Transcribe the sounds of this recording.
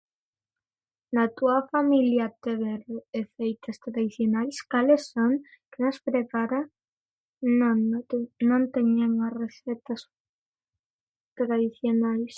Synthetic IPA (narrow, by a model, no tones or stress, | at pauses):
nat̪uafamiljɐt̪eβɛɾoefejt̪ɐst̪ɾaðiθjonajskalesːoŋ | kenospɾepaɾɐ | n | nõnt̪eɲaŋareθɛt̪ɐs | t̪ɾaðiθjonajs